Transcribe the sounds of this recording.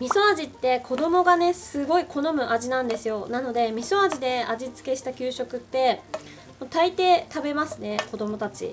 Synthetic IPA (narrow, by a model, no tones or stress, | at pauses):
mʲiso̞ad͡ʑit̪ːe̞kʰo̞d̪o̞mo̞ɡane̞sɨɡo̞ikʰo̞no̞mɯ̟ʔaʑinãnd̪e̞sɨjo̞nano̞d̪e̞mʲiso̞aʑid̪e̞aʑit͡sɨ̥ke̞ɕi̥t̪akʲɨːɕo̞kɯ̟t̪ːe̞ | mot̪ait̪e̞ːt̪abe̞masɨne̞ko̞d̪o̞mo̞t̪at͡ɕḭ